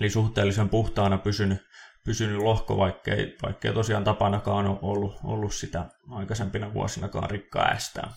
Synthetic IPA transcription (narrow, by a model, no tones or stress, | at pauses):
elisuht̪eːlːisempuht̪ɑːnɑpysynypysynyllohko̰ʋɑikːḛiʋɑ̰ikːḛit̪osiɑnt̪ɑpɑnɑkɑːnoʔolːuo̰lːussit̪æ̰ɑikɑsempinɑʋṵɑ̰sinɑkɑ̰ːnrikːɑ̰æ̰st̪æ̰ː